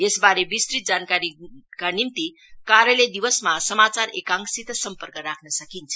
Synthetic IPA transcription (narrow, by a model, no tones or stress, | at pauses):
esbaɾebist̪ɾit̪̚d͡zankaɾikanimt̪i | kaɾjelejd̪iʋəsmasəmat͡saɾekãŋksit̪sʌmpərkəɾakʰnʌsəkint͡sʰʌ̥